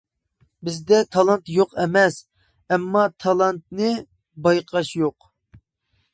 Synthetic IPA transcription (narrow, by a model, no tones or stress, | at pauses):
bɪzd̪ɛt̪ʰɑlˠɑnt̪joqɛmɛs | ɛmːɑt̪ʰɑlˠɑnt̪̚nɨ | bɑjqʰɑʃjoq